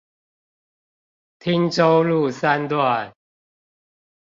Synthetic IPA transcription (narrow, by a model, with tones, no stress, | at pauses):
t̪ʰi˦ŋʈ͡ʂo˦ʊlu˥˨sa˦nt̪wa˥˨n